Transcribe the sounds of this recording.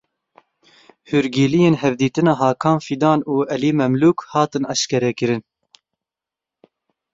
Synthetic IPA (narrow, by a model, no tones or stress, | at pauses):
huɾɡiːlijeːnɦɛvd̪iːt̪ɨnɑːɦɑːkʰɑːnfid̪ɑːnuːɛliːmɛmluːkhɑːt̪ɨnɑʃkɛɾɛkɨɾɨn